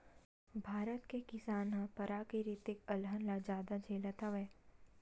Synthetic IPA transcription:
bʱaːɾət̪kekɪsaːnɦãpɐɾakiɾɪt̪ɪkɐlɦənlad͡ʒaːd̪ad͡ʒʱeːlət̪aʋɛː

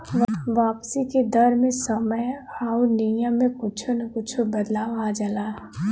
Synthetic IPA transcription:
ʋaːpsiked̪ɐɾmẽsəməjaːunijəmːẽkʊt͡ʃʰonɐkʊt͡ʃʰobɐd̪laːʋad͡ʒəlaː

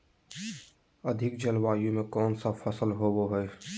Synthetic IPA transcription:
əd̪ʱɪkd͡ʒəlʋaːjõmẽkɔːnsafəsəlɦoːwoɦɛː

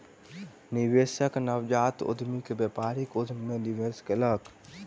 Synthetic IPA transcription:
niʋeːsəknəʋd͡ʒaːt̪ʊ̰d̪ʱmikebjepaːɾikʊd̪ʱmːẽdiʋeːskeləɡ

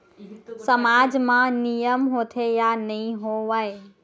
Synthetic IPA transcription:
səmaːd͡ʑmãnijəmɦoːt̪ʰejanɐĩɦoʋaːe

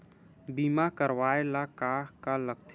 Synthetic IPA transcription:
biːmakəɾwaːelakaːɦkaləkt̪ʰ

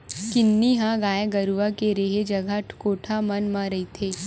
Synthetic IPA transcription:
kɪnːiɦãɡaːjaɡɐɾuʋakeɾeːɦed͡ʒɐɡʱaʈʰkoːʈʰamɐnmãɾɐit̪ʰeː

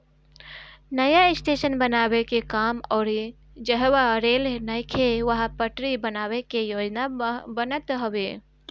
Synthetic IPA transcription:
nəjaɪsʈeʃənbənaːwekekaːmɔːɾi | d͡ʒəɦwaɾeːlnəjkʰeʋəɦpəʈɾibənaːwekejoːd͡ʒnabənət̪ɦəwe

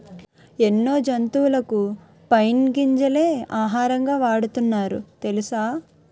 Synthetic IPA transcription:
enːo̞ːd͡ʒɐnt̪uːlɐku | pɐjnɡiɲd͡ʒɐleːaːɦaːɾɐŋɡaːʋaːɽut̪unːaːɾṵt̪elisaː

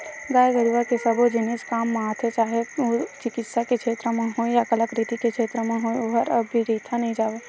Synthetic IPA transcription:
ɡaːjɡəɾuʋakesəbod͡ʒɪneskaːmːaːt̪ʰet͡ʃaːɦeot͡ʃɪkɪt̪saket͡ʃʰeːt̪ɾəmẽɦoejakələkɾit̪iket͡ʃʰeːt̪ɾəmẽɦoeoɦəɾəbːiɾiːt̪ʰanəɦĩd͡ʒaːʋe

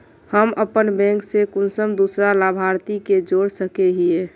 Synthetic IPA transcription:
həməpənbɛ̃ŋksekʊnsəmd̪usɾalaːbʱaɾt̪iked͡ʒoːɽsəkeɦie

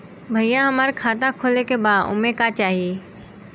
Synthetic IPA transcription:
bʱəijãɦɐmaːɾkʰaːt̪ãkʰoːlekebaːd̪ʊ̰mekat͡ʃaːɦijeː

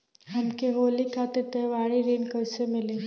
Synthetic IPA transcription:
ɦɐmkeɦoːlikʰaːt̪et̪eːʋaːɽiɾiːnkɐɾsemɪleː

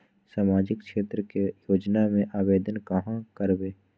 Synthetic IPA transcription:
saːmaːd͡ʒɪkʃeːt̪ɾəkejoːd͡ʒnamẽʔaːʋeːd̪ənkəɦãkəɾbeː

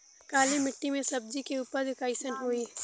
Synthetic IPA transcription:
kaːlemɪʈːimẽsɐb̚d͡ʒikeuːpəɾd̪ɪkaːɪsənɦoːiː

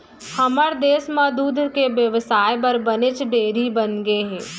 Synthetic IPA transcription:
hɐməɾd̪eːsmə̃d̪uːd̪ʱkeʋjəʋsaːjbɐɾbɐnɪt͡ʃɖeːɾibənɡeɦɛː

